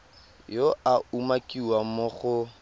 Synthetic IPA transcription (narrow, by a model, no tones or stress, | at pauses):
joaumakiwamʊχʊ